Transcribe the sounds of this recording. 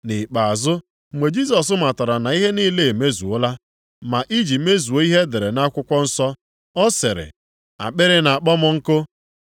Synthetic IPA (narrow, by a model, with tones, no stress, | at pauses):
nɪ˨k͡pa˨a˨zʊ˦˨ | ŋ͡me˨d͡ʒi˦s̬ɔ˨s̬ʊ˦ma˨ta˨ɾa˨na˨i˦ɦe˦ni˦le˦˨e˨me˦zu˨o˦la˦ | ma˨ʔi˦d͡ʒi˨me˦zu˨o˨i˦ɦe˦de˨ɾe˨na˦kʷʊ˦kʷɔ˦n̩˦sɔ˦ | ɔ˦sɪ˨ɾɪ̰˨ | a̰˨k͡pɪ˦ɾɪ˦na˨a˨k͡pɔ˦mʊ˦ŋ̩˦kʊ˦